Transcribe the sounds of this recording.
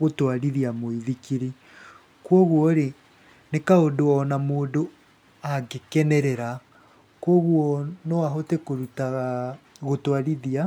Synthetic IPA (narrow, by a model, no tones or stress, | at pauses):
ɣotwaɾiðiamoiðikiɾi | kwɔɣwɔɾe | nekaodoɔnamoːdo | aɡekɛnɛɾɛɾa | kwɔɣwɔnɔaɦotekoɾuta | ɣotwaɾiðia